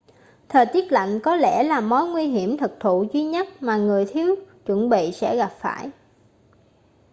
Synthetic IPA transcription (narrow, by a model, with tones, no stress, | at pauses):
t̪ʰəː˨˩jt̪i˦˥ət̚la̰˧˨jŋ̟kɔ˨˦lɛ˧˩laː˨˩mo˨˦jŋwi˧ɦi˧˩əmt̪ʰɨ˨˩k̚t̪ʰu˧˨zwi˧ɲə˦˥t̚maː˨˩ŋɨ˨˩əjt̪ʰi˨˦əwt͡ɕwə˧˩nɓḭ˧˨sɛ̰˧˥ɣa˨˩p̚faː˧˩j